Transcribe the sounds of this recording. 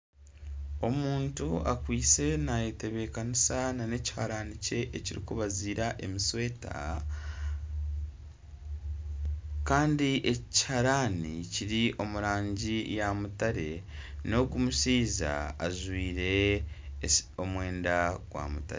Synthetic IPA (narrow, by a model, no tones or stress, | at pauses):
o̞muːntuakwiːt͡se̞najete̞βe̞ːkanisanane̞ci̥haɾaːnice̞ʔeciɾḭkuβaziːɾaʔe̞miswe̞ːta̰ | kaːndiʔe̞ci̥haɾaːniciɾiʔo̞muɾaːɲɟijamutaɾe̞no̞kumusiːza̰ːʒwiːɾe̞ | o̞mwe̞ːndaɡ̥wa̰ːmuta̰ɾe